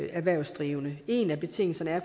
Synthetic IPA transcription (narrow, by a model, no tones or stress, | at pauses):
æɐʋæɐ̰ʊsd̥ʁiːʊnəe̝næb̥e̝t͡sʰe̝ŋ̰l̩sɐnəæɐf